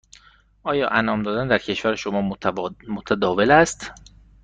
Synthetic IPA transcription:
ʔɒːjɒ̰ːʔænɒːmd̪ɒːd̪ænd̪æɾcʰe̞ʃvæɾeʃomɒːmot̪ʰæd̪ɒːvelæst̪

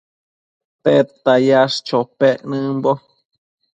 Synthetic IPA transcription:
t̪et̪ːajaʂt͡ʃopeʔnɨ̃mbo

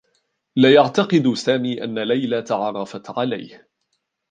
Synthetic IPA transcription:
lajaʕt̪ɑqɨd̪saːmiːʔanːalajlat̪ɑʕɑɾˤːɑfat̪ʕala̰jh

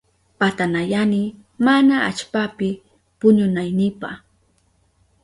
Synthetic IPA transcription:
pat̪anajanɪ | manaa̰t͡ʃpapɪ | pʊɲʊnajnɪpa̰χ

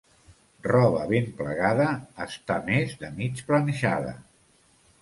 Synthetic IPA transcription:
rɔβəβempləɣaðəːst̪amezðəmit͡ʃplənəʒaðə̰

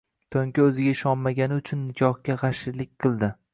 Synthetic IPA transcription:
t̪ʰoŋkʲaɵzɪɡʲaɪʃɒnmaɡʲanɪʊt͡ʃʰʊnːɪkʰʲɒhkʲaʁɑʃɪɾlɪk̚ʲqʰɨlˠd̪ɪ

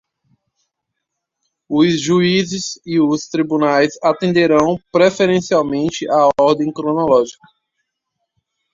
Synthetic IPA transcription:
ʊzʒuizɪziʊst̪ɾibunajzat̪ẽnd̪eɾɐ̃w̃pɾefeɾẽsiawmẽnt͡ʃɪʔaɔɾd̪ẽj̃kɾõnɔlɔʒikɐ̥

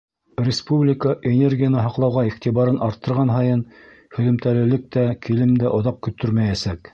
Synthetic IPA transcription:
rʲɪspublʲɪkəʔenʲerɡʲijanɤɦɑqlˠɑwʁɑiχt̪ʲiβɑɾɤnʔɑɾt̪ːɤ̆ɾʁɑnɦɑjɤn | hɵ̆ðɘ̆mt̪ælɘ̆lɘk̚t̪ækilɘmd̪æʔŏðɑp̚kɵ̆t̪ːɵɾmæjæsæk

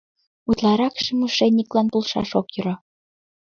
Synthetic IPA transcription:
ut̪lˠɑɾɑkʃĕmuʃenʲːiklɑnpulˠʃɑ̰ʃokjyɾo

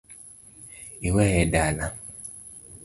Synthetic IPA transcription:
iwɛhɛdala

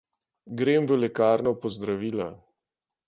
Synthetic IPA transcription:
ɡɾemvəlɛkaːɾnɔpɔzd̪ɾaʋiːla

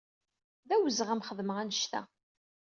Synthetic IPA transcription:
ðæwəzəʁæmχəðməʁænəʃt̪æ̰

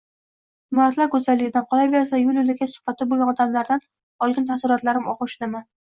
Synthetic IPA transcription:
maat̪laɾkʰɵzalːɪɡʲɪd̪anqʰɒlabeɾsajʊlɪlɪɡʲasʊ̥hb̥at̪ʰːɪbolɡʲanɒd̪amlaɾd̪an | ɒlˠɡʲɪnt̪ʰasɪɾɒt̪laɾɪmɒqʊʃɪnaman

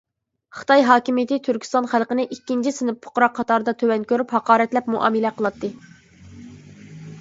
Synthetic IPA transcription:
χɨ̥t̪ʰɑjɦɑːkʲimijɪt̪ɪt̪ʰyɾkʲʰst̪ɑnχælˠqənɪʔikʲːint͡ʃʰisɨnɪppʰo̥qɾɑqʰːɑt̪ʰɑɾɨd̪ɑt̪ʰøwɛnkʲøɾyphɑqɑːɾɛt̪lɛpmuʔɑ̰ːmɨlɛqʰəlˠɑt̪ʰːɨ

